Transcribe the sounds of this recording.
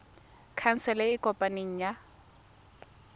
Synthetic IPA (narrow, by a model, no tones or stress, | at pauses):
kʰan̩sɛlɛɪkʼɔpʼaniŋ̩ja